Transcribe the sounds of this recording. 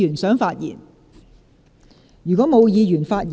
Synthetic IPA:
y˨˩nsœː˨˥ŋfaː˧t̚jḭː˨˩n | jyː˨˩kɔː˨˥mo˨˧wjiː˨˧jyː˨˩nfaː˧t̚j

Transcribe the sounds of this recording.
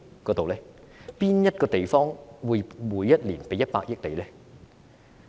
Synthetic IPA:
kɔː˧t̪o˨wlɛː˦˥ | piː˥njɐ˥t̚kɔː˧t̪e˨jfɔː˥ŋwuː˨˧jmuː˨˧jːɐ˥t̚liː˨˩npe˨˧jːɐ˥t̚paː˧k̚jɪ˥k̚le˨˧jlɛː˦˥

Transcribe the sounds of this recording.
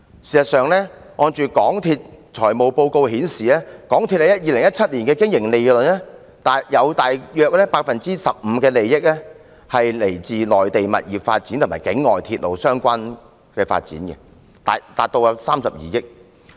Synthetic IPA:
siː˨˩sɐ˨sœː˨ŋlɛː˥ | ŋɔː˧nt͡ʃyː˨˧kɔː˨˥ŋt̪ʰiː˧t̚t͡ʃʰɔː˨˩jmo˨wpo˧wko˧whiː˨˥nsiː˨ɛː˥kɔː˨˥ŋt̪ʰi˧t̚hjɐ˥t̚jiː˨˧lɪ˨˩ŋjɐ˥t̚t͡sʰɐ˥t̚liː˨˩nkɛː˧kɪ˥ŋjɪ˨˩ŋle˨jlɵ˨˩nlɛ˥ | t̪aː˨jɐ˨˧wt̪aː˨jjœː˧k̚lɛː˥paː˧k̚fɐ˨nt͡siː˥sɐ˨p̚m̩ː˨˧˦kɛː˧le˨jjɪ˥k̚lɛ˥ | hɐ˨jle˨˩jt͡siː˨lɔː˨jt̪e˨jmɐ̰˨t̚jiː˨˩p̚fa̰ː˧t̚t͡siː˨˥nt̪ʰmaː˨˩kɪ˨˥ŋːɔː˨jt̪ʰiː˧t̚lo˨˩wsœː˥ŋkʷaː˥n | kɛː˧fa̰ː˧t̚t͡sḭː˨˥nkɛ̰˧ | t̪aː˨t̪aː˨t̚t̪o˧wsaː˥msɐ˨p̚jḭː˨jɪ˥k̚

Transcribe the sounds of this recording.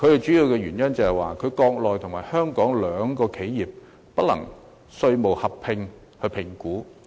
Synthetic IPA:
kʰɵ˨˧ɥhe˨˩t͡ʃy˨˥jiː˨˧wkɛː˧ɥyː˨˩njɐ˥nt͡sɐ˨˧hɛ˨jwaː˨˩kʰɵ˨˧ɥkɔː˧k̚lɔː˨jt̪ʰʊ˨˩ŋmaː˨˩jhœː˥ŋkɔː˨˥ŋlœː˨˧ŋkɔː˧kʰe˨˥jjiː˨˩p̚ː | ɐ˥lɐ̰˨˩ŋ | sɵ˧ɥmo˨˩whɐ˨pʰːɪ˧ŋ | hɵ˧pʰɪ˨˩ŋkuː˨˥

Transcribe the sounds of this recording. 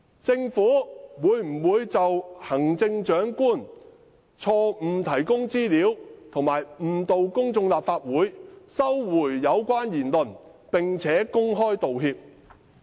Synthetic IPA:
t͡sɪ˧ŋfuː˨˥wuː˨˧jm̩˨˩wuː˨˧jt͡sɐ˨whɐ˨˩ŋt͡sɪ˧ŋt͡ʃœː˨˥ŋkuː˥n | t͡sʰɔː˧m̩˨˩t̪ʰɐ˨˩jkʊ˥ŋt͡siː˥liː˨˥wt̪ʰʊ˨˩ŋmaː˨˩jm̩˨˩t̪o˨wkʊ˥ŋt͡sʊ˧ŋlaː˨p̚faː˧t̚wuː˨˥jsɐ˥wːuː˨˩jːɐ˨˧wkʷaː˥njiː˨˩nlɵ˨˩npɪ˨ŋt͡sʰɛː˨˥kʊ˥ŋɦɔː˥jt̪o˨wɦiː˧p̚

